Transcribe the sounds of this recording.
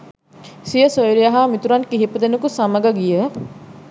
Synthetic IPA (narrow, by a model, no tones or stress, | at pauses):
sijəsojɾijaɦamit̪uɾankiɦipəd̪enəkusɐməɡaɡijə